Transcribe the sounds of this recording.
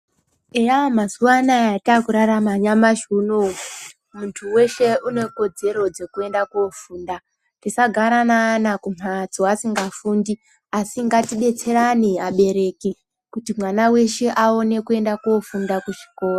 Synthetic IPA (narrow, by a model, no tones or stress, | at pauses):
ejamazuwanaeatakuɾaɾamaɲamaʒuno | muntʰuwe̞ʃe̞ʔune̞ko̞d͡ze̞ɾo̞d͡ze̞kue̞ndakuofuːnda | tisaɡʱaɾanaːnakum̤ad͡zoasiŋɡafuːndi | asiŋɡatiɓe̞t͡se̞ɾaniaɓe̞ɾe̞ki | kutimwanawe̞ʃe̞ʔao̞ne̞kue̞ndakuofundakuʐi̥ko̞ːra